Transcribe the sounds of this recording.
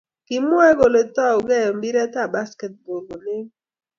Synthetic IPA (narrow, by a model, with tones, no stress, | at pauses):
ki˨mwɛ˦ɡo˨lo˨ta˦o˨ɡɛ˦˨jɔ˨mbi˦ɾɛ˦ta˦˨ba˦skɛ˨t̚bo˨lɡo˨nɪ˦